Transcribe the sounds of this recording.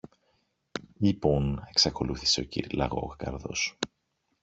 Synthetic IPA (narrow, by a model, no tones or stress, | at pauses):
ipone̞ksɐko̞luθi̥se̞ocḭɾlɐ̰ɣo̞̰ɣkɐ̰ɾðo̞̰s